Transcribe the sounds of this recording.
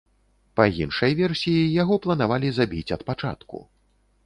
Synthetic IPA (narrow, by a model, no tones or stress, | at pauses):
pajinʂɐjvʲɛrsʲijijaɣɔplˠɐnavalʲizabʲit͡sʲɐt̪pat͡ʂa̰t̪kṵ